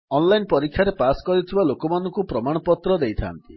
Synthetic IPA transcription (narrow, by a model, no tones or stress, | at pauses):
ɔnlajnpɔɾikʰːjaɾepaskɔɾit̪ʰibalokɔmanɔŋkupɾɔmaɽ̃ɔpɔt̪ɾɔd̪ejt̪ʰa̰nt̪i